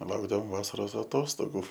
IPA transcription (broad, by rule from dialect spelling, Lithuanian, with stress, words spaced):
ˈlˠɐʊɡdɐʋoːm ˈʋɑːsɐroːs ɐˈtoːstoːɡuː